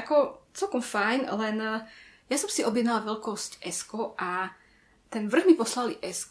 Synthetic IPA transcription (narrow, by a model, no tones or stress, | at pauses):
akɔt͡sɛlkɔmfajnlɛnjasɔmsiɔbjɛd̪nalaʋɛlkɔscɛskɔʔa | t̪ɛnʋr̩ɣmipɔslaliʔɛsk